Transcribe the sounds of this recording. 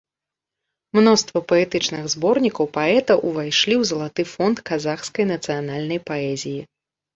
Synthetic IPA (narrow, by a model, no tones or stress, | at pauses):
mnɔst̪vɐpɐɛt̪ɨt͡ʂnɨɣzbɔrnʲikɐwpaɛt̪ɐwʔuvajʂlʲiwzɐlˠat̪ɨfɔnt̪kazaxskɐjnɐt̪sɨjanalʲnɐjpaɛzʲiji